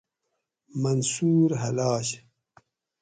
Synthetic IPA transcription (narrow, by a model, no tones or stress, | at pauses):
mansuːɾɦɐlɑːɕ